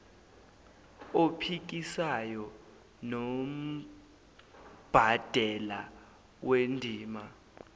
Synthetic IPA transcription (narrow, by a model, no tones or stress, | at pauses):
opʰik̬isajɔ | nom̩ | b̥ʱad̥ʱɛla | wendʱiːma